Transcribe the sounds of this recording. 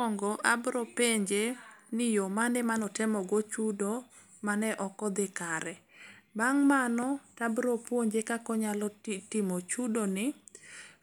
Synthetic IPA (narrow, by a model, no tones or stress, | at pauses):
ɔŋɡɔʔabɾopeɲd͡ʒenɪjomanɛmanɔtɛmɔɡot͡ʃudo | manɛʔɔkɔd̪ɪkaɾɛbaŋmanɔtabɾopwoɲd͡ʒekakɔɲalɔtɪmot͡ʃudonɪ